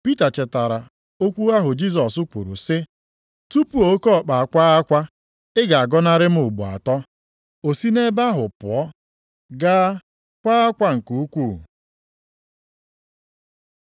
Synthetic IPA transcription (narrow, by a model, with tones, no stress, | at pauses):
pi˦ta˨t͡ʃɪ˨ta˨ɾa˨ | o˦kʷu˦a˦ɦʊ˨d͡ʒi˦s̬ɔ˨sʊ˦kʷu˨ɾṵ˨sɪ˦ | tu˦pu˨o˨o˦kɔ˦˨k͡pa˨a˨kʷa˦a˦kʷa˦ | ɪ˦ɡa˨a˨ɡɔ˦na˦ɾɪ˦m̩˦ʊ˨ɡ͡bṵ˨a̰˨tɔ˦ | o˨si˦ne˦ba˦ɦʊ˨pʊ̰˨ɔ˦ | ɡaː˦ | kʷa˦a˦kʷa˦ŋ̩˨ku˨u˦kʷu˦˨